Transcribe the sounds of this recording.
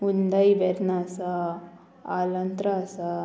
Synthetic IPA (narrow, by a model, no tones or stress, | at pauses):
und̪ajʋeɾnaːsa | aːlɐnt̪ɾaːsa